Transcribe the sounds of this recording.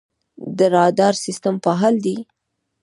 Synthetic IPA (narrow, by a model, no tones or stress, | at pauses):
d̪əɾɑd̪ɑɾsɪst̪ampaɦɑld̪i